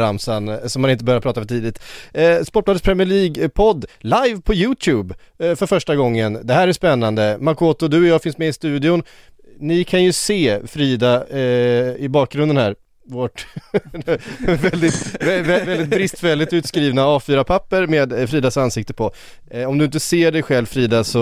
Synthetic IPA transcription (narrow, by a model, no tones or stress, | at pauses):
ɾamsansɔmhanɪnt̪əbœɾjaɾpʰɾɑːt̪afœʈʰiːd̪ɪt̪spɔʈːlad̪əspʰɾɛmɪɭiːɡpʰɔd̪ːlajvpʰɔjʉːt̪ʰʉːb | fœɾfœʂʈaɡɔŋːənd̪ɛhæːɾæjspɛnːand̪əmaɾkʰoːt̪ʊd̪ɵɔjɑːfɪnsmɛɪst̪ʉ̟ːd̪ɪʊn | nɪkʰanjɵseːfɾiːd̪a | ɪbɑːk̚ɡɾɵnd̪ənhæ̰ːɾ | voʈ | vɛld̪ɪt̪vɛvɛld̪ɪt̪̚bɾɪst̪vɛld̪ɪt̪ʉ̟ːt̪skɾiːvnaɑːfyːɾapʰapːəɾmeːd̪fɾiːd̪asansɪkt̪əpʰɔ | ɔmd̪ɵɪnt̪əseːɖɛjɧɛlvfɾiːd̪asɔ